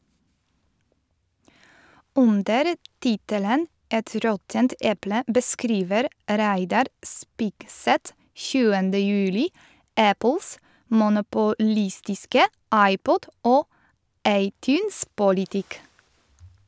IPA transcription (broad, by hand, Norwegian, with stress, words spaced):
ˈʔʉndəɾ ˈtɪtələn ˈʔɛt ˈɾɔtənt ˈɛplə bəˈskɾiːʋəɾ ˈɾæɪdɑɾ ˈspɪɡˌsɛt ˈçʉːəndə ˈjʉːlɪ ˈʔæpəls mʊnʊpʊˈlɪstɪskə ˈʔɑɪˌpɔd ˈʔoː ˈʔɑɪˌtjʉːnspʊlɪˌtɪk